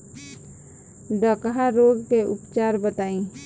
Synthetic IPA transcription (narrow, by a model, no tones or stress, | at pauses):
d̪əkɦaɾoːɡkeʔʊpt͡ʃaːɾbət̪aːĩ